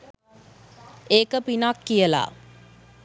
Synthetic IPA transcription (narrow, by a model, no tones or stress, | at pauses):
eːkəpinakːijəla̰ː